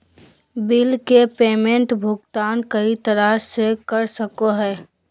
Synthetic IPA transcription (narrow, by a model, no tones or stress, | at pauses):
bɪlkepeːmẽɳʈbʱʊɡt̪aːnkɐit̪ɐɾəsekəɾsəkoɦɛː